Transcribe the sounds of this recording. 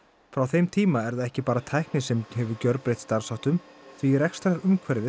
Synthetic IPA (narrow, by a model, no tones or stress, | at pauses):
fɾawθejmt̪ʰiːmaɛɾðaɛhcɪpaːɾat̪ʰajhknɪsɛmɦɛvʏɾcœɾpɾejht̪st̪aɾ̥sawht̪ʏmθviɾɛkst̪aɾʏmkʰvɛɾðɪ